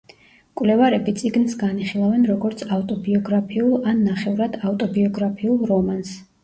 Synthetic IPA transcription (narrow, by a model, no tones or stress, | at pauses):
kʼwvlɛvaɾɛbit̪sʼiɡnsɡaniχilˠavɛnɾɔɡɔɾt̪sʰaft̪ʼɔbiɔɡɾapʰiulˠanːaχɛvɾad̪aft̪ʼɔbiɔɡɾapʰiulˠɔmans